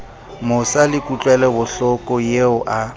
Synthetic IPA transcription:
mʊsalɪkʼut͡ɬʼwɛlɛbʊɬɔkʼɔjeʊʔa

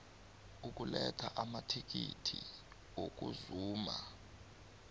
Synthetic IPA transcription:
uk̬ʼulɛtʰaʔamatʰik̬itʰi | ok̬uzuːma

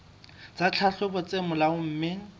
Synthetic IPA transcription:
t͡sat͡ɬʰaɬʊbʊt͡sʼemʊlaʊm̩ːmɪ

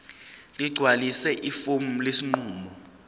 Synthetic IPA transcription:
liɡ͡ǀʱwalisɛʔifom̩lesiŋ͡ǃuːmɔ

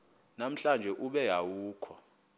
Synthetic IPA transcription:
nam̩ɬand͡ʒʱɛʔuɓɛjawuːkʰɔ

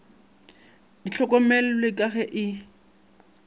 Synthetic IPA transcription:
diɬʰɔkʼɔmɛl̩lɪkʼaɣɛʔɪ

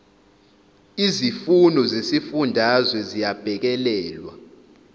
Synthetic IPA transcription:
izifunʱɔzesifundʱazwɛzijab̥ʱɛk̬ɛlɛːlwa̰

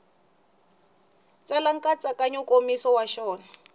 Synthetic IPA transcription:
t͡salaŋ̩kʼat͡sakaɲɔkʼomisɔwaʃɔːna

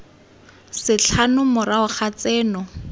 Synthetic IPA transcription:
sɪɬʰanʊmʊraʊχʰat͡sɛːnɔ

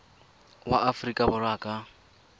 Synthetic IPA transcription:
wa̰ʔafrikʼabʊraːkʼa

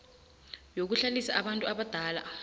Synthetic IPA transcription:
jok̬uɬalisaʔaɓantʼuaɓad̥ʱaːla̰

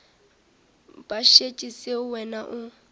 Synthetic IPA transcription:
b̥ʼaʃet͡ʃʼisɪʊwɛnaʔʊ

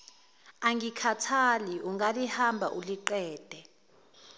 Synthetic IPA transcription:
aŋikʰatʰaliuŋalihambʱa̰ʔuliǃɛːd̥ʱɛ

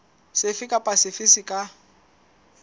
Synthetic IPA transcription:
sɪfɪkʼapʼasɪfisɪkʼa

